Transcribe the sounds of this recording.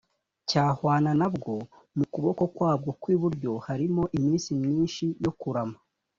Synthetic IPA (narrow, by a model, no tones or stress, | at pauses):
caːhwaːnanabɡo̞ | mukuβo̞ko̞kwaːb̚ɡo̞kwiːβuɾɟo̞haɾimo̞ʔimiːnsimɲiːnʃijo̞kuɾama